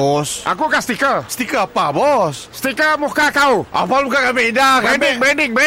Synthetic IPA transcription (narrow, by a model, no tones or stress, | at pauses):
ɔsʔa̰kukast̪ikəst̪ikəapabɔs | st̪ikəmuhkakaua̰palbukakameindakandɪŋbɛndɪŋbɛ